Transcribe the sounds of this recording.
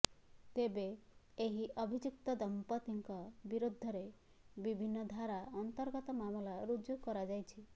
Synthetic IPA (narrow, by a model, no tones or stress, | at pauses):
t̪ebe | eɦiʔɔbʱid͡ʒukt̪ɔd̪ɔmpɔt̪iŋkɔbiɾod̪ʱːɔɾe | bibʱinːɔd̪ʱaɾaɔnt̪ɔɾɡɔt̪ɔmamɔlaɾud͡ʒjuɡkɔɾad͡ʒajt͡ʃʰi